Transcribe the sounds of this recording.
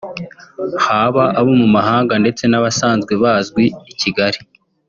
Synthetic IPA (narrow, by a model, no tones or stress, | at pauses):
haːβaʔaβomumaɦaːŋɡande̞t͡se̞naβasaːnzɡwe̞βaːzɡweːciɡaɾi